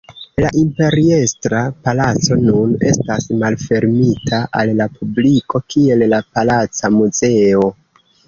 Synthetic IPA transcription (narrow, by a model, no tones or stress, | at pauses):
laʔimpe̞ɾie̞stɾapalat͡so̞nune̞stasmalfe̞ɾmitʰaʔalːapubliko̞kie̞llapalat͡samuze̞o̞